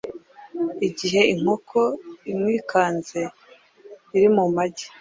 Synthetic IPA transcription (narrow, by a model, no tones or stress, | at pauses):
iɟiɦe̞iŋ̥ho̞kʰo̞imŋiːkʰaːnze̞ | iɾimumaɟe